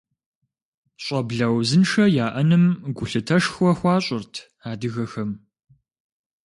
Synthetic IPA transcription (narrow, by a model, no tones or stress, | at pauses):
ɕʷʼɐbɮɐwzɨnʂɐjaːʔɐnɨmɡʷʊɬɨtʰɐʂxʷɔxʷɑːɕʼɪrtʰ | aːdɨɣɐxɐm